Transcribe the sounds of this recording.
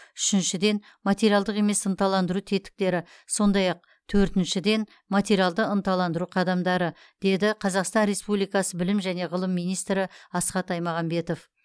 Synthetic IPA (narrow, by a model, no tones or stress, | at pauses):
ʏʃɪnʃɪd̪e̞n | mat̪ʲe̞ɾialˠd̪əqe̞me̞sənt̪ɑlˠɑnd̪əɾut̪ʰe̞t̪ɪ̥k̚t̪e̞ɾɪ | so̞nd̪ɑjɑq̚ | t̪ʰɵɾt̪ɪnʃɪd̪e̞n | mat̪e̞ɾijalˠd̪əənt̪ɑlˠɑnd̪əɾuqʰɑd̪ɑmd̪ɑɾə | d̪̥e̞d̪ɪqʰɑzɑqst̪ɑnɾe̞spublijkɑsəbɪlɪmʒæne̞ʁəlˠəmːijnijst̪ɾɪɑsqɑt̪ɑjmɑʁɑmbe̞t̪o̞f